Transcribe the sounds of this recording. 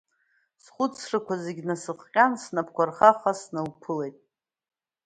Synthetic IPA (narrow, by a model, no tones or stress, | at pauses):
sχʷʊt͡sʰrɨkʷʰazeɡʲnasɨχqʲʼansnapʰkʷarχaχasnɨlpʰɨle̞jtʼ